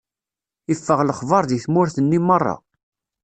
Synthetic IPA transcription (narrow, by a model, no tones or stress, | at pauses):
ifːəʁləχvɑɾˤðiθmʊɾθənːimərˤːɑ̰